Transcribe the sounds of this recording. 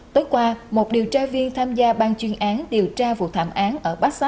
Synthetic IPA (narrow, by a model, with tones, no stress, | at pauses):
t̪oː˨˦jkwaː˧mo˨˩t̚ɗi˨˩əwt͡ɕaː˧vi˧ənt̪ʰaː˧mzaː˧ɓaː˧nt͡ɕwi˧ənʔaː˨˦nɗi˨˩əwt͡ɕaː˧vṵ˨˩˨t̪ʰa̰ː˧˩mʔaː˨˦nʔəː˧˩ɓaː˦˥k̚sa˦˥